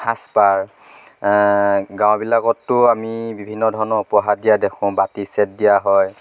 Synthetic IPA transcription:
hʰaspaɹ | ɡãw̃bilakɔtːʊamibibʱinːɔdʱɔɹɔnɔpɔɦadijadekʰʊ̃batisɛt̚dijaɦɔj

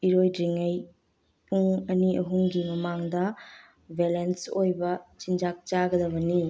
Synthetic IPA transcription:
iɾojɾiŋɐj | puŋɐniɐɦuŋɡimɐmaŋdɐ | bʱelensojbɐt͡ʃind͡ʒak̚t͡ʃaɡɐdɐβɐniju

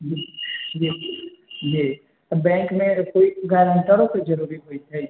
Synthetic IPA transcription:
d͡ʒid͡ʒi | d͡ʒi | bɛ̃ŋkmẽkoiɡaɾəɳʈaɾoped͡ʒəɾuɾiɦoid͡ʒ̪ʰaj

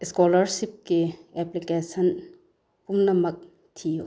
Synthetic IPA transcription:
skolɐɾsip̚kiɛplikesɐn | pumnɐmɐk̚ | tʰiju

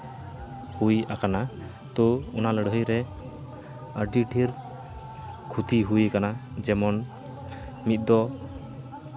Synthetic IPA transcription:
hujakana | t̪ɔɔnaləɽəɦəjɾɛ | əɾɖiʈʰiɾ | kʰut̪iɦujkanad͡ʒɛmɔn | mit̪̚d̪ɔ

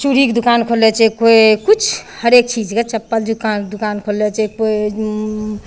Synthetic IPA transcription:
t͡ʃuɾikd̪ukankʰolet͡ʃʰɛkoekut͡ʃʰhəɾek̚t͡ʃid͡ʒket͡ʃəpːəld̪ukand̪ukankʰolet͡ʃʰɛkoe

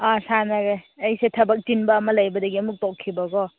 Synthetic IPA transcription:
asanɐɾeɐjsetʰɐbɐk̚tinbɐːmɐlɐjbɐdɐɡiɐmuk̚tokʰːibɐɡɔ

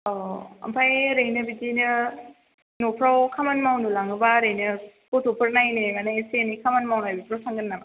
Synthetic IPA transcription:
ɔa̰mpʰajɾɯjnɯbidinɯ | nopʰɾawkʰamanmawnulaŋɯbaɾɯjnɯkotʰupʰɯɾnajnɯmanajsenikʰamanmawnajbipʰɾawsaŋɡɯnnama

